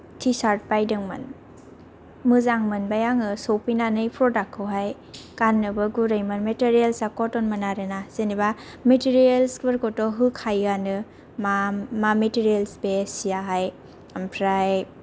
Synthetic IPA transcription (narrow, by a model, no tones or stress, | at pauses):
tʰisaɾt̚pajdɯŋmɯ̰n | mɯzaŋmɯnbajaŋɯsowpinanɯjpʰɾɔdakʰɯwɦaj | kanːɯbɯɡuɾajmɯnmeteɾijelsakɔtɔnmɯnaɾɯnaseniba | metiɾielskbeɾkɔtɔɦɯkʰajɡanɯ | mamametiɾijelsbesijaɦaj | ampʰɾaj